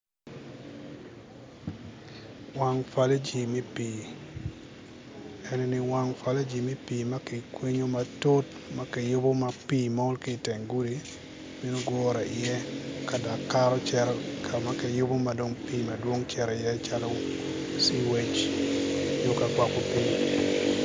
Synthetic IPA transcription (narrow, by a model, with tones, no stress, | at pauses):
wa˦ŋfa˦le˦d͡ʒi˨me˦piː˨ | ɛ˨nɛ˨nɪ˦wa˦ŋfa˦le˦d͡ʒi˨me˦piː˨ma˦ke˨kwe˦ɲo˦ma˨to˦t | ma˦ke˨jʊ˦bo˦ma˨pi˦ma˦ʊ˦lki˦˨tɛ˨ŋɡu˦di˨ | mi˦no˦ɡwɔː˦ɾa˨ʔɪ˨jɛ˦ka˨da˨kːa˦ɾɔ˦t͡ʃɛ˦ɾkʰa˨ma˨ke˨jʊ˦bo˦ma˨do˨ŋpiː˦ma˨dwo˦ŋt͡ʃɛ˦ɾɪ˨jɛ˦t͡ʃa˦lo˦ | si˦we˦t͡ʃ | jo˦ka˨kwa˦ko˦pi˦